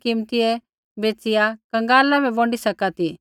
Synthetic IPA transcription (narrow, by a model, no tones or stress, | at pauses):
kɪmt̪iɛ | beːt͡sɪjakɐ̃ŋɡaːlabɛ̃bɔ̃ːɳɖisɐkat̪i